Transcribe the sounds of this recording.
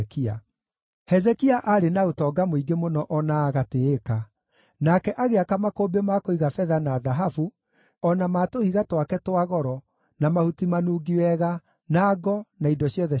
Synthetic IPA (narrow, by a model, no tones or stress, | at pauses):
kia̰ | hɛzɛkiaʔaɾenaotɔːɡamoiɡemonɔʔɔnaːɣateeka | nakɛʔaɣeakamakoːbemakoiɣafɛðanaːðaɦafu | ɔnamaːtohiɣatwakɛtwaɣɔɾɔ | namahutimanuːɡiwɛɣa | naːɡɔnaindɔɕjɔðɛ